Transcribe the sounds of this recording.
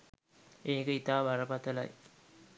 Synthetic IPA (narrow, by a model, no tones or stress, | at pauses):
eːikəit̪aːʋaɾəpat̪əla̰j